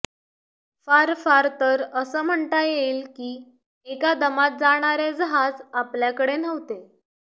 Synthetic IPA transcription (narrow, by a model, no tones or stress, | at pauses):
faɾfaɾt̪əɾəsəːm̤əɳt̪ajeilkiː | ekad̪əmat̪̚d͡zaɽ̃aɾed͡zɦad͡zapljakəɽenəʋt̪e